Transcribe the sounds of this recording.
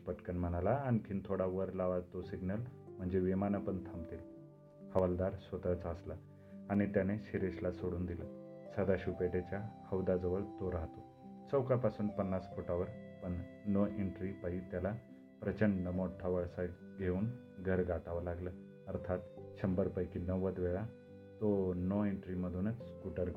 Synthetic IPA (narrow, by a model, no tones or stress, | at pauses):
pəʈkənm̤ənalaːñikʰiːnt̪ʰoɽaʋəɾlaʋat̪osiɡnəlm̤əɳd͡ʑeʋimanəpəɳt̪ʰamt̪el | hʰəʋəld̪aɾsʋət̪ət͡saslaː | ɽ̃it̪janeɕiɾeɕlasoɽuːnd̪ilasəd̪aɕupeʈet͡ɕjakʰəwd̪ad͡zəʋəɭt̪oɾaɦt̪o | t͡səwkapasuːnpənːasfoʈaʋəɾpəɳːɔiɳʈɾipaɦit̪jala | pɾət͡ɕəɳɖnəmɔɽʈ̪ʰaʋəɭsa | ɡʱeuːn | ɡʱəɾɡʱaʈ̪aʋalaɡlə | əɾt̪ʰat̪t͡ɕʰəmbəɾpəjkinəʋəd̪ʋeɭa | t̪onɔiɳʈɾiməd̪ʱunət͡sskuʈəɾɡ